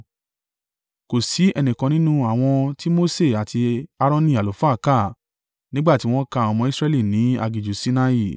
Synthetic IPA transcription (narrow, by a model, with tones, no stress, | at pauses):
ko˨si˨˦ɛ˧nĩ˨kã˧nĩ˦nũ˦a˦˨w̃ɔ̃˧ti˦mo˦se˦˨a˨tʰi˧a˧ɾɔ̃˦nĩ˦˨a˨lo˨˦fa˦˨˦ka˦˨ | nĩ˦ɡ͡ba˦˨ti˨˦w̃ɔ̃˦ka˧ɔ˧mɔ̃˧i˦sɾɛ˧li˦˨nĩ˨˦a̰˧ɡi˨d͡ʒu˨si˧na˧i˦˨